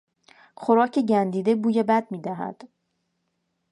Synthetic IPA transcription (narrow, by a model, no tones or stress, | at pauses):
χoɾɒːcʰeɟænd̪iːd̪e̞buːjebæd̪̚miːd̪æɦæ̰d̪̥